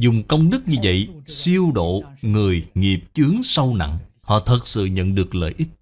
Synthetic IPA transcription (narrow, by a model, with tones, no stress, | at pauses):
zʊ˨˩ŋ͡mkə˧wŋ͡mɗɨ˦˥k̚ɲɨ˧və̰˧˨jsi˧əwɗo̰˧˨ŋɨ˨˩əjŋi˨˩əp̚t͡ɕɨ˨˦əŋsə˧wna̰˧˨ŋhɔ̰˧˨t̪ʰə˨˩t̚sɨ̰˧˨ɲə̰˧˨nɗɨ˨˩ək̚lə̰ː˧˨jʔi˦˥t̚